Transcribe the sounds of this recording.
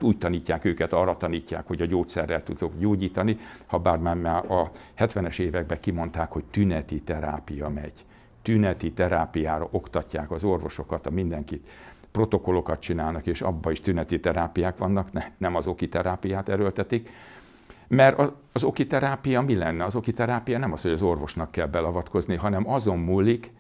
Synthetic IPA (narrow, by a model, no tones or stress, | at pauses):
t̪uːc̚t̪ɒniːcːaːkøːkɛt̪ɒrːɒt̪ɒniːcːa̰ːkho̞ɟɒɟoːt̪sɛrːɛlt̪ud̪o̞kɟoːɟiːt̪ɒnihɒbaːrmaːmaːʔɒhɛt̪ʋɛnɛʃeːvɛɡ̚bɛkimo̞nt̪aːkhoct̪ynɛt̪it̪ɛɾa̰ːpijɒmɛɟ̥ | t̪ynɛt̪it̪ɛɾaːpijaːɾɒʔo̞kt̪ɒcːaːkɒzo̞rvo̞ʃo̞kɒt̪ɒmind̪ɛŋkit̪ | pro̞t̪o̞ko̞lo̞kɒt̪̚t͡ʃinaːlnɒkeːʃɒ̰bːɒiʃt̪ynɛt̪it̪ɛɾaːpijaːkʋɒnːɒknɛnɛmɒzo̞kit̪ɛɾaːpijaːt̪ɛɾølt̪ɛt̪ik | mɛɾɒ | ɒzo̞kit̪ɛɾaːpijɒmilɛnːɛɒzo̞kit̪ɛɾaːpijɒnɛmɒsho̞ɟɒzo̞rvo̞ʃnɒkːɛlbɛlɒvɒt̪ko̞zniɦɒnɛmɒzo̞mːuːlːik